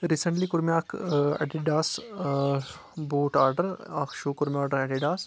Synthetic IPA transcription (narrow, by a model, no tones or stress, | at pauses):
ɾisəɳʈlikʊɾmjaːkʰɐ̰ʈiɖaːs | buːʈaːɾɖəɾakʃuːkuɾmiaːɾɖəɾɛɖiɖaːs